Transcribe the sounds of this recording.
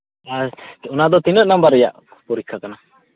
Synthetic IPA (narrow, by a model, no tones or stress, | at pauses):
aunad̪ɔt̪inəʔnambəɾɛja̰ʔ | puɾikʰːakana